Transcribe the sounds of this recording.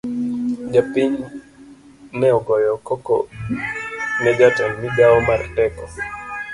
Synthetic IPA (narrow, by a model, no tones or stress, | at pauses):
d͡ʒapiɲ | nɛɔɡɔjɔkɔkɔ̰ | nɛd͡ʒatɔnmidaɔmartɛkɔ